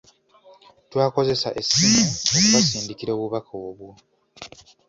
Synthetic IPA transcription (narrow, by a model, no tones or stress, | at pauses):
twaːko̞ze̞saʔe̞simuouβasiːndikiɾo̞ːβuβakʰaoβwu